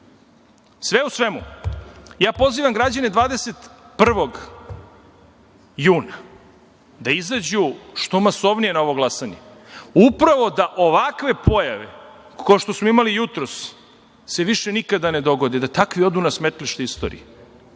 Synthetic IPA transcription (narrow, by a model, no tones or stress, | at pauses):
sʋeusʋemu | jaːpo̞ziːʋamɡɾad͡ʑaned̪vʋaːd̪eset̪pr̩ʋo̞ɡ | juːna | d̪aizad͡ʑuʃt̪omasoʋnije̞naoʋo̞ɡlˠasaɲḛ | upɾaʋo̞d̪aʔo̞ʋakʋe̞pʰo̞jaʋḛ | kooʃt̪osmoimalijut̪ɾos | se̞ʋiʃenikad̪ane̞d̪o̞ɡo̞d̪id̪at̪akʋio̞d̪unasmet̪liʃt̪eist̪oːɾḭe